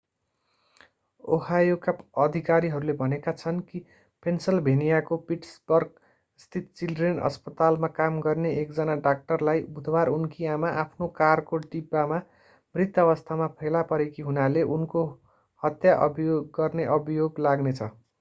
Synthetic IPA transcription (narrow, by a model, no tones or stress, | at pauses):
o̰hajokaʌd̪ʱikaɾiɦʌɾulebʱʌnekat͡sʰʌnki | pʰensʌlbʱenijakopiʈsbʌrɡ | st̪ʰit̪̚t͡silɖrenʌ̰spʌt̪almakamɡʌrneʔekd͡zʌnaɖak̚ʈʌrlajbud̪ʱwaɾunkiamaʔapʰnokarkoʈipama | mrit̪ːʌʌβʌst̪ʰamapʰelapʌɾekiɦunaleʔunko | hʌt̪jaʔʌ̰bijoɡːʌrneʔʌbʱijoɡlaɡnet͡sʰʌ